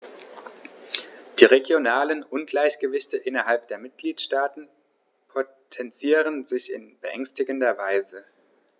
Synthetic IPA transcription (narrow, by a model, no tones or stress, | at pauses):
d̥iːʁeɡjonaːlənʔʊnɡlaɪçɡ̥əvɪçtəʔɪnɐɦalp̚d̥eːɐmɪt̚ɡ̥liːtʃtaːtn̩ | pʰo | tʰɛnt͡siːʁ̞ənzɪçɪ̰nb̥əʔɛŋstɪɡəndɐvaɪzə